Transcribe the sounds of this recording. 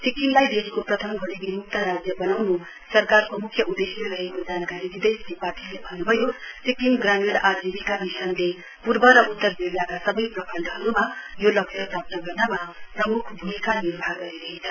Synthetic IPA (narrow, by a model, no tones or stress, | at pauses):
sikiŋlajd̪eskoprʌt̪ʰʌmɡʱoɽibiɦuk̚t̪ʌɾad͡zjʌbʌnawnu | sʌrkarkomukʰjʌʔud̪esjiɾʌɦekod͡zankaɾibid̪ʌjsipaʈʰilebʱʌnːubʱʌjosikiŋɡramiɽad͡zibikabisʌnle | puɾbʌɾʌʔut̪ːʌrbiɾjakasʌbʌjprʌkʰʌnd̪ʱʌɦʌɾumajolʌksʰʌpap̚t̪ʌɡʌrnamaprʌmukʰbʱumikanirbʱaɡʌɾiɾʌɦet͡sʰʌ